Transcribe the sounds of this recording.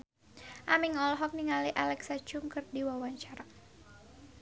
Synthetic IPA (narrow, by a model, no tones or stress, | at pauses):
ʔamiŋɔlɦɔk̚niŋaliʔalɛksat͡ʃuŋkɨrdiwawaɲt͡ʃaɾa